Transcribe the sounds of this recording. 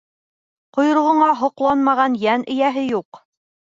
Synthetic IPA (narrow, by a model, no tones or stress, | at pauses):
qŏjɤ̆ɾ̆ʁŏɴɑɦŏqlˠɑnmɑʁɑnjænʔɘ̆jæɦɘjuq